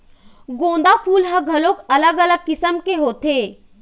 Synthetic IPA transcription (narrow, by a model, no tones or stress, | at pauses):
ɡõːn̆d̪apʰuːlɦɐɡʱɐloːkɐləɡɐləɡ̚kɪsəmkeɦoːt̪eː